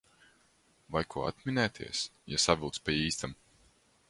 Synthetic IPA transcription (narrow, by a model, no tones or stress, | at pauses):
vajkʰuɔa̰t̪mʲinɛːt̪ʰḭɛsjasavʲilˠt̪spʲiiːst̪am